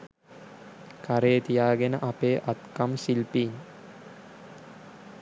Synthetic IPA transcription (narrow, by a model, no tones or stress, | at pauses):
kʰaɾeːt̪ijaːɡenə̰ʔapeːʔat̪kamsilpiːn